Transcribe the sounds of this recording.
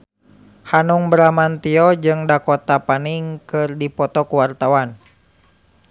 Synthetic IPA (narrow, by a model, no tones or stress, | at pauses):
hanuŋbɾamant̪iɔd͡ʒɨŋdakɔt̪apaniŋkɨrdipɔt̪ɔkuwart̪awan